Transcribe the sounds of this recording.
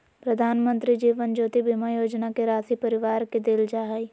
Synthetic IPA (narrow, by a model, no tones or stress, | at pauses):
pɾəd̪ʱaːnmə̃nt̪ɾid͡ʒiːʋənd͡ʒoːt̪ibimajoːd͡ʒnakeɾaːsipəɾɪʋaːɾked̪ɪld͡ʒaːɦai